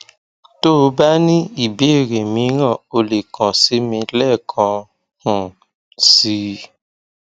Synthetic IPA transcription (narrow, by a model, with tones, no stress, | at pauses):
to˦˧ba˦nĩ˦i˦˨be˨˦e˦˨ɾe˨mĩ˨˦ɾ̃ã˦˨o˧le˨kɔ̃˨si˨˦mĩ˧lɛ˦˨kʰã˧ | hũ˨ | si˧˦